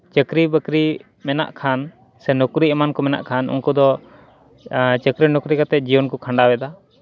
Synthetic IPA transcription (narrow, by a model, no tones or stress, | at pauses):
t͡ʃəkɾibəkɾi | mɛna̰ʔkʰan | sɛnɔkɾiɛmankɔmɛna̰ʔkʰanṵnkɔd̪ɔ | t͡ʃəkɾinɔkɾikat̪ɛd͡ʒijɔnkɔkʰaɳɖabɛd̪a